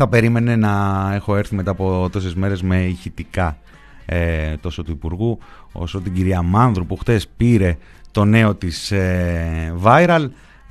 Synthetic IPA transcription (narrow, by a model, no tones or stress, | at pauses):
θɐpe̞ɾime̞ne̞nɐe̞xo̞e̞ɾθime̞t̪ɐːpo̞t̪o̞sezme̞ɾe̞zme̞içit̪ikɐ | et̪o̞so̞t̪uipuɾɣu | o̞̰so̞t̪iɟiɾiɐmɐnðɾupuxt̪e̞spiɾe̞ | t̪o̞ne̞o̞t̪ise | vɐjɾɐl